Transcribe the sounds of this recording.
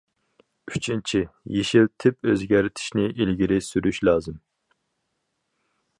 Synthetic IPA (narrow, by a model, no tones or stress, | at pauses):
yt͡ʃʰint͡ʃʰijeʃilt̪ʰɪpøzɡʲæɾɪt̪ʰɪ̥ʃnɪʔilɡʲiɾɪsyɾyʃlɑːzɨm